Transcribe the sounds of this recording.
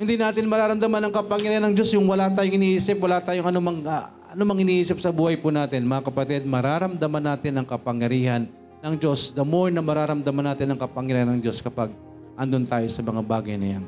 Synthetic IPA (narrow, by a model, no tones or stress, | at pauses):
hɪnd̪inaːt̪ɪnmɐɾaːɾɐmd̪ɐmanɐŋkɐpɐŋjɐɾiːhanɐŋd͡ʒo̞sjʊŋwɐlat̪aːjoŋʔɪniʔiːsɪp̚wɐlaːt̪aːjoŋʔɐnomɐŋɐ | ɐnomɐŋʔɪniːʔiːsɪp̚sɐbuːhɐjpuːnaːt̪ɪnmɐŋakɐpɐt̪ɛd̪̚mɐɾaɾɐmd̪ɐmanaːt̪ɪnɐŋkɐpɐŋjɐɾiːhɐnː | ɐŋd͡ʒo̞sd̪ɐmojnɐmɐɾaːɾɐmd̪ɐmanːaːt̪ɪnɐŋkɐpɐŋjɐɾiːhanɐŋd͡ʒo̞skɐpaɡ̚ | ʔɐnd̪ont̪aːjo̞sɐmɐŋabaːɡɐjnɐ̰ja̰n